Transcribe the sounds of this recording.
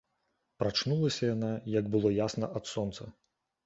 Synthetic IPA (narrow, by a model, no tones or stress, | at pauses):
pɾat͡ʂnulˠɐsʲɐjanajɐɡbɨlˠɔjasnɐ̰ʔɐt̪sɔnt̪sɐ